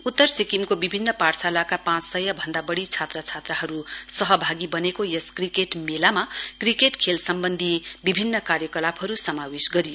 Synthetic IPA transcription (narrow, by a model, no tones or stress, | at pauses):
ut̪ːʌrsikimkobibʱinːʌparsʰalakapãt͡ssʌjabʱʌnd̪abʌɽit͡sʰat̪rʌt͡sʰat̪rʌɦʌɾusʌɦʌbʱaɡibʌnekojʌskrikeʈmelamakrikeʈkʰelsʌmbʌnd̪ʱibibʱinːʌkaɾjʌkʌlapʰɦʌɾusʌmawisɡʌɾijo